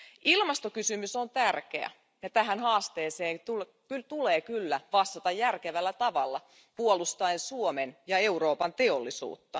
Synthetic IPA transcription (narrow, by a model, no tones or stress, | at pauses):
ʔilmɑst̪okysymysont̪ærkḛæ̰ | jɑt̪æɦænɦɑːst̪eːseːŋt̪ul | kyt̪uleːkylːæʋɑst̪ːɑt̪ɑjjærkeʋælːæt̪ɑʋɑlːɑ̰ | puolust̪ɑensuomenjɑe̞uro̞ːpɑnt̪eolːisṵːt̪ːɑ